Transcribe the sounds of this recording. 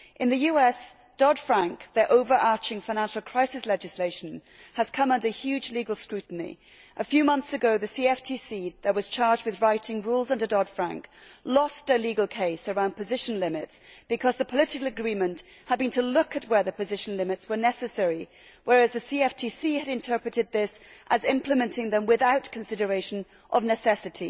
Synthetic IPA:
ʔɨ̃nðɨjʉɛs | d̥ɔd̥fɹæ̃ŋkðə˞ʔoʊvə˞ʔɑɹt͡ʃɪ̃ŋfãɪ̃næ̃nʃl̩ˠkʰɹ̥aɪsɨslɛd͡ʒɨsleɪʃn̩ | əz̥kʰʌ̃mʌ̃ndə˞hjʉd͡ʒliɡəl̩ˠskɹʉʔn̩ḭ | ʔəfjʉmʌ̃nθsɨɡoʊðɨsiɛftʰisiðəʔ̚wʌz̥t͡ʃʰɑɹd͡ʒdwɨðɹaɪɾɪ̃ŋɹulˠzʌ̃ndə˞dɔd̥fɹæ̰̃ŋklɔstɨliɡl̩ˠkʰeɪsə˞ãʊ̃n̚pʰɨzɪʃɨ̃n̩lɪ̃mɨtsb̥ɨkʰʌzðəpʰəlɪɾɨkl̩ˠɨɡɹĩmɨ̃nʔ | həd̚bɨ̃ntʰəlʊkɨt̚wə˞ðəpʰɨzɪʃn̩lɪ̃mɨtswə˞nɛsɨsɛɹi | wʔə˞ɨzðɨsiɛftʰisiɨɾɨ̃ntʰɜ˞pɹɨɾɨd̪̚ðɪsʔɨzɪ̃mpʰlɨmɨ̃ntʰɪ̃ŋðɨ̃mwɨðaʊtkʰɨ̃n̩sɪɾə˞eɪʃɨ̃n | ʔʌvnɨsɛsɨɾi

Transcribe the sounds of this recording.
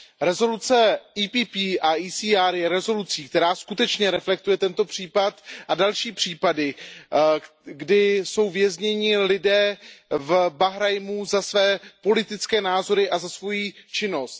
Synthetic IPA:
ɾɛzo̞lut͡sɛiːpiːpiːʔaʔiːsiːaːɾjɛɾɛzo̞lut͡siːk̚t̪ɛɾaːskut̪ɛt͡ʃɲɛɾɛflɛk̚t̪ujɛt̪ɛnt̪o̞pr̝̥iːpat̪ʔadalʃiːpr̥iːpadɪ | ɡdɪso̞wvjɛzɲɛɲɪlɪdɛːvbaɦɾajmuzasvɛːpo̞lɪt̪ɪt͡skɛːnaːzo̞ɾɪʔazasvo̞jiːt͡ʃɪno̞st̪̚

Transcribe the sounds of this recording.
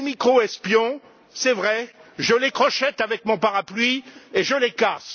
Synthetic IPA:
mikχoɛspjɔ̃ | sɛvʁɛʒəlekχɔʃɛt̪avɛk̚mɔ̃paʁaplɥieʒəlekas

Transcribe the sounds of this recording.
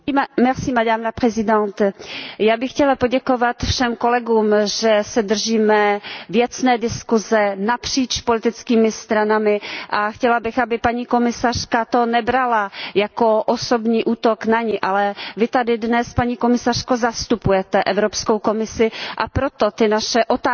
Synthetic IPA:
mɛsiːmadaːmnapr̥ɛzɪdɛnt̪jaːbɪxcɛlapoɟɛkovat̪fʃɛmko̞lɛɡuːmʒɛsɛdr̩ʒiːmɛvjɛt͡snɛːdɪskuzɛnapr̝̥iːt͡ʃpolɪt̪ɪt͡skiːmɪst̪ɾanamɪʔaxcɛlabɪxʔabɪpaɲiːko̞mɪsar̝̥kat̪o̞nɛbɾalajakoʔosobɲiːʔuːt̪oknaɲɪʔalɛvɪt̪adɪdnɛspaɲiːko̞mɪsar̝̥kozast̪upujɛt̪ɛʔɛvɾopskowkomɪsɪʔapɾot̪ot̪ɪnaʃɛʔot̪a

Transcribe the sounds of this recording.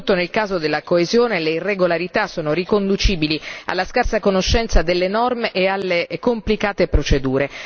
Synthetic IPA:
t̪ːonelkaːzod̪elːakoezjoːneleirːeɡolaɾit̪asoːnorikond̪ut͡ʃiːbilia̰lːaskarsakonoʃːɛnt̪sad̪elːenɔrmeʔealːekomplikaːt̪epɾot͡ʃed̪uːɾe

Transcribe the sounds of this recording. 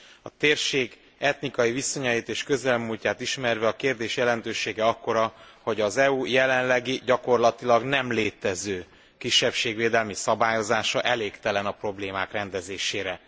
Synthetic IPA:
ɒt̪eːrʃeːɡ | ɛt̪nikɒjiviso̞ɲɒjit̪eːʃkø̞zɛlmulcaːt̪iʃmɛrvɛɒkeːrd̪eːʃjɛlɛn̪t̪øːʃeːɡɛɒkːo̞ɾɒho̞ɟɒzɛujɛlɛnlɛɡiɟɒko̞rlɒt̪ilɒɡnɛmleːt̪ɛzøː | kiʃːɛpʃeːɡʋeːd̪ɛlmisɒbaːjo̞zaːʃɒʔɛleːkt̪ɛlɛnɒpro̞bleːmaːkrɛnd̪ɛzeːʃeːɾɛ

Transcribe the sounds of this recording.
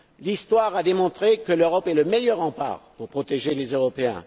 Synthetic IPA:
list̪waʁad̪emɔ̃t̪χekəløʁɔpɛləmejœʁɑ̃pa̰ːʁpuʁpχɔt̪eʒelezøʁɔpeɛ̰̃

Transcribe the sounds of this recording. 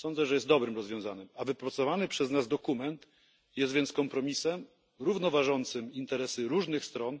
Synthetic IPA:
sɔnd̪zɛʐɛjɛst̪d̪ɔbɾɘmɾɔzvʲjɔ̃w̃zaɲɘmavɘpɾɔt̪sɔvanɘpʂɛznazd̪ɔkumɛnt̪ | jɛst̪vʲjɛnskɔmpɾɔmʲisɛm | ɾuvnɔvaʐɔnt̪sɘmint̪ɛɾɛsɘɾuʐnɘxst̪ɾɔn

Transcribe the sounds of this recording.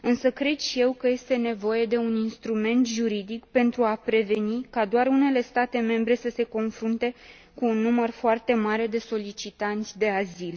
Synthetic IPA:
ɨnsəkɾe̞d̪ʃije̞wkəje̞st̪e̞ne̞vo̞je̞d̪e̞uninst̪ɾume̞nt̪ʒuɾid̪ikpe̞nt̪ɾuapɾe̞ve̞nikad̪oarune̞le̞st̪at̪e̞me̞mbɾe̞səse̞ko̞nfɾunt̪e̞ | kuːnːumərfoart̪e̞maɾe̞d̪e̞so̞lit͡ʃit̪ant̪sʲd̪e̞azil

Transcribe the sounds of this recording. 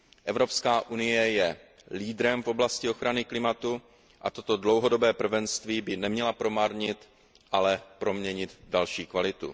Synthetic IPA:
ʔɛvɾo̞pskaːʔunɪjɛjɛ | liːd̪ɾɛmfo̞blascɪo̞xɾanɪklɪmat̪u | ʔa̰t̪o̞t̪o̞dlo̞wɦo̞do̞bɛːpr̩vɛnst̪viːbɪnɛmɲɛlapɾo̞maɾɲɪt̪ | ʔalɛpɾo̞mɲɛɲɪd̪dalʃiːkvalɪt̪ṵ

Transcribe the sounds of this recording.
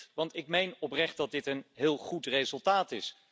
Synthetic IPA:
ʋɑntɪkmejnɔprɛχt̚dɑt̚dɪtənɦɪːlˠχutrezəlˠtaːtɪs

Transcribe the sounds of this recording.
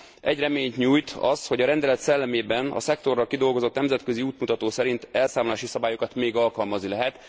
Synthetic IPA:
ɛɟrɛmeːɲt̪ɲuːjt̪ɒsho̞ɟɒɾɛnd̪ɛlɛt̪sɛlːɛmeːbɛnɒ̰sɛk̚t̪o̞rːɒlkid̪o̞lɡo̞zo̞t̪nɛmzɛt̪kø̞ziuːt̪mut̪ɒt̪oːsɛɾint̪ɛlsaːmlaːʃisɒbaːjo̞kɒt̪meːɡɒlkɒlmɒznilɛɦɛt̪

